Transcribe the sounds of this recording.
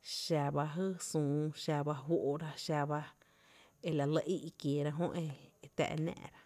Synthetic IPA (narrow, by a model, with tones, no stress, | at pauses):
ʃa˧ba˧ɦɨ˦sũː˨ʃa˧ba˧ɦwʷo˦ʔo˧ɾa˧ʃa˧ba˧ | e˧la˨lə˧ʔi˦ʔkje˨ɾa˧ɦõ˦ʔe˧t̪ɛ̰˧ʔnɛ̰̃ː˧˨ʔɾa˧